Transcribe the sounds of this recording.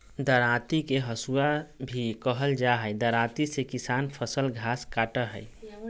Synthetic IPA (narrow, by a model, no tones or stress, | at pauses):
d̪əɾãːt̪ikeɦəsuabʱikəɦəld͡ʒaɦəd̪əɾãːt̪isekɪsaːnpʰəsəlɡʱaːskaːʈəɦəj